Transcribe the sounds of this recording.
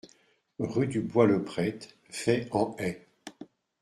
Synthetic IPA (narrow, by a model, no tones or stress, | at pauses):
ʁyd̪ybwaləpχɛt̪ | fɛɑ̃ɛ